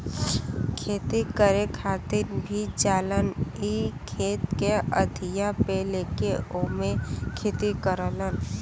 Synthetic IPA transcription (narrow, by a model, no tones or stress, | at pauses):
kʰeːt̪ikəɾekʰaːt̪ɪɾbʱid͡ʒaːlənikʰeːt̪keəd̪ʱijapeleːkeʔoːmekʰeːt̪ikəɾələn